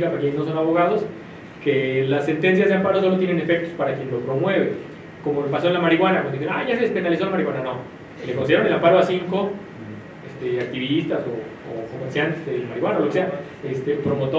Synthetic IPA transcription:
kapakjenezno̞so̞naβo̞ɣað̞os | kelase̞nt̪e̞ns̬jazðeampaɾo̞s̬o̞lo̞t̪jene̞ne̞fe̞k̚t̪o̞spaɾakje̞nlo̞pɾo̞mwe̞βe | ko̞molpaso̞enlamaɾiɣwanakwãnd̪isenaʝasespenalisolamaɾiɣwanano̞ | lekos̬jeɾone̞lampaɾoasiŋko | est̪eak̚t̪iβist̪aso̰ː | komeɾsjant̪ezðelamaɾiɣwanaoose̞a | est̪epɾo̞mo̞t̪o

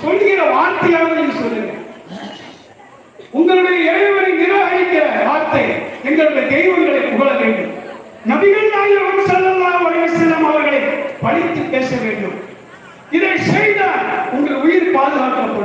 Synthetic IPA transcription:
sɔlːɣɪɾɐʋaːɾt̪ɐjaːnɐnɪnɯsɔlːɪŋɡɐɭ | ʊŋɡɐɭɯɽɐjɐɛɻɯʋɐɾɪnnɪɾɯʋɐɣɐɪk̪ːɐʋaːɾt̪ɐɪɛŋɡɐɭɯɽɐjɐd̪ɛjʋɐnɣɐɭɐɪkːʊɣɐɭɐʋeːɳɖɯm | nɐbɪɣɐɭnaːjɪɾɐʋɐmsɐlːɐlːaːɐʋɐlɐjɐsɪðɐmaːʋɐɾɣɐɭɐɪpɐɽɪt̪ːɯpːeːsɐʋeːɳɖɯm | ɪðɐɪsɛjðaːnʊŋɡɐʊjɪɾpaːðɯɣaːkɐpːoɽ

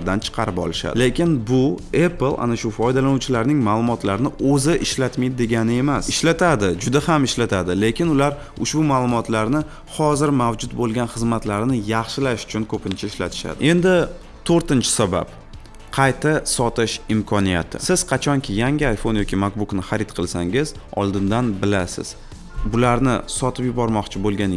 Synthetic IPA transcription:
ɾd̪ant͡ʃʰɨ̥qʰɑɾɪpɒ̰lɪʃa̰d̪ɪle̞kʲɪnbʊeplˠa̰naʃʊfɒjd̪alanuwt͡ʃʰɪlaɾnɪŋmaːlˠʊmɒt̪laɾnɪʔɵzɪʔɪʃlat̪mijd̪d̪e̞ɡʲanɪe̞masɪʃlat̪ʰad̪ɪd͡ʒʊd̪ahamɪʃlat̪ʰad̪ɪle̞kʲɪnʊlaɾ | ʊʃbʊmaːlˠʊmɒt̪laɾnɪ | hɒzɪɾmavd͡ʒʊt̪bolˠɡʲanχɨzmat̪laɾnɪjɑχʃɪlaʃʊ̥t͡ʃʰʊnkʰɵpʰɪnt͡ʃʰaɪʃla̰t̪ʰɪ̥ʃa̰d̪ɪe̞nd̪ɪ | t̪ʰoɾt̪ɪnt͡ʃʰɪ̥saba̰p | qʰɑjt̪ʰasɒt̪ɪʃɪmkʰɒnija̰t̪ʰɪ̰sɪz̥qʰɑt͡ʃʰɒŋkʲʰɪjaŋʲɪajfo̞njɒkʲʰimak̚buknɪχaɾɪt̪qʰɨlˠsa̰ŋɪzɒ̰lˠd̪ɪnd̪anbɪlasɪ̰z̥ | bʊlaɾnɪ̰sɒt̪ʰɪpjʊbɒɾmɒqt͡ʃʰɪbolɡʲan

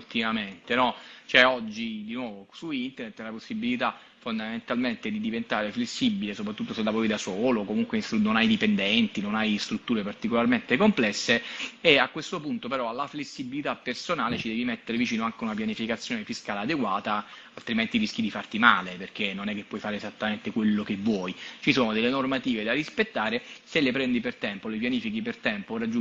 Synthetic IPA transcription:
ult̪imament̪enɔt͡ʃoɛɔd͡ʒːid̪inwɔːvosuint̪ernet̪ːɛlaposːibːilit̪a | fond̪ament̪alment̪ed̪id̪ivent̪aːɾeflesːibilesopɾat̪ːut̪ːoselːavoid̪asoːlokomuŋkweist̪unonajd̪ipend̪ɛnt̪inonajst̪ɾut̪ːuːɾepart̪ikolarment̪ekomplɛsːeːakwest̪opunt̪opeɾɔalːaflesːibilit̪apːersonaːlet͡ʃid̪ɛːvimet̪ːeɾevit͡ʃiːnoaŋk̟eunapjanifikat̪sjoːnefiskaːlead̪eɡwaːt̪aalt̪ɾiment̪iɾisk̟id̪ifart̪imaːleperk̟enːonɛkːepːwɔjfaːɾeːzat̪ːament̪ekwelːokevːwɔjt͡ʃisoːnod̪elːenormat̪iːved̪arispet̪ːaːɾeselepɾɛnd̪ipert̪ɛmpolep̬janiːfikipert̪ɛmporad͡ʒu

